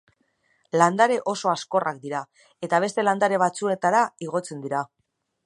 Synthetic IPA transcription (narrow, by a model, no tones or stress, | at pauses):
land̪aɾe̞ʔo̞so̞asko̞rʔakd̪iɾa | e̞t̪aβ̞e̞st̪e̞land̪aɾe̞β̞at͡sue̞t̪aɾaiɣo̞t͡se̞nd̪iɾa